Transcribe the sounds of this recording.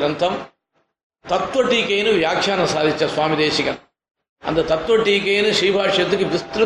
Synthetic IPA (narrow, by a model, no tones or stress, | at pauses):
ɾɐnt̪ʰɐm | t̪ɐt̪ʋɐʈiːkeːnuʋjaːkʂaːnɐsaːd̪ʱit͡ʃːɐsʋaːmid̪eːʃikɐ | ɐ̰nd̪ɐt̪ɐt̪ʋɐʈiːkeːnuʃɾiːbʱaːʂjɐt̪ukiʋist̪ɾɐ